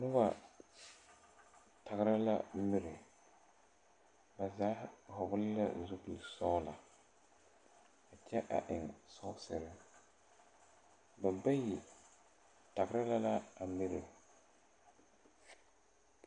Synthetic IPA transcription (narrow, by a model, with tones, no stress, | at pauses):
nʊ˦ba˨ | tʰa˨ɣɾa˦la̰˦m̩˦mɪ˦ɾɪ˨ | ba˨za˦hʊ˨bʊ˦lla̰˦˨zu˦bi˨lsɔ˦la˨ | a˨t͡ʃɛ˦ʔa̰˨ʔɪ˨ŋsɔ˦sɪ˨ɾɪ˦ | ba˨ba˦ji˨ | ta˨ɡɾa˦la˦la˦a˨mi˦ɾɪ˨